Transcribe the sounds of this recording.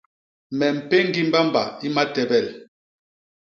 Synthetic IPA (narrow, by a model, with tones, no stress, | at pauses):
mɛ˨m̩˨pe˦ŋ˦ɡi˦m˦ba˦mba̰˨i˦ma˦tɛ˨bɛ˦˨l